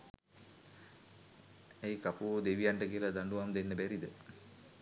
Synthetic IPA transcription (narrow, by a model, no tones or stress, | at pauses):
ejkapud̪eʋijaɳʈəkiəlad̪aɳɖuʋamd̪enːəbɛɾid̪ə